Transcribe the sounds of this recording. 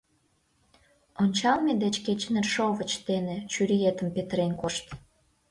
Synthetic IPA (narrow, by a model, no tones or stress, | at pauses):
onʲt͡ɕɑlmed̪et͡ɕket͡ɕnerʃovət͡ɕt̪enet͡ɕyɾijet̪əmpet̪əɾenkoʃt̪